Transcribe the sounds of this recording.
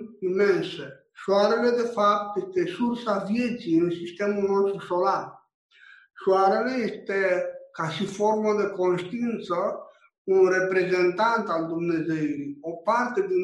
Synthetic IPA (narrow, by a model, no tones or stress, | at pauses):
imːense | ʃuaɾaled̪efap̚t̪est̪esuɾsavjed͡ʒinusist̪emunɔst̪ɾosolaɾ | ʃuaɾaleest̪ekasifoɾmad̪ekonst̪int̪sə | kunrepɾezent̪ant̪ald̪omnezejɾiopaɾt̪ed̪i